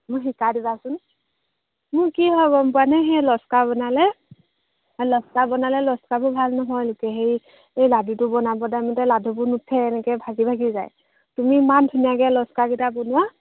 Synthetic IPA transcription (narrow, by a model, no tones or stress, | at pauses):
mʊjxikadibasʊn | mʊkiɦɔɡɔmpʊwanɛɦɛlɔskabɔnalɛ | lɔskabɔnalɛlɔskabʊbʱalnɔɦɔjlʊkɛɦe | ejladutʊbɔnabɔdamɔtɛladʱubunutʰːɛːnɛkɛbʱazibʱaɡizaj | tumiːmantʰunijaɡɛlɔskakitabɔnʊwa